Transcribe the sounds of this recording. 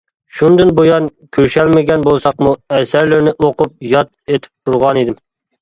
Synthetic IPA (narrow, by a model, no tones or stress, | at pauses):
ʃund̪ɪnbojɑnkʲʰøɾʃɛlmɪɡʲɛnbolˠsɑqmuɛsæɾlɪɾnɪʔoqʊp̚jɑt̪̚et̪ʰɪ̥p̚t̪ʰuɾʁɑnid̪ɪm